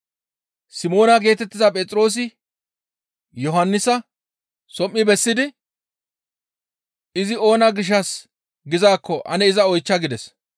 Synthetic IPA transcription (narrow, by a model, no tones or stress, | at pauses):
sɪmo̞ːnɐɡe̞ːt̪ɛt̪ːɪzɐpʼɛt͡sʼɾo̞ːs̬ɪ | jɔɦɐnːɪsɐ | sɔmːɪbɛsːɪd̪ɪ | ɪzɪo̞ːnaɡɪʃ̬ːɐs | ɡɪzaːkːɔʔɐ̰nɛɪzɐɔjt͡ʃːɐɡɪd̪ɛs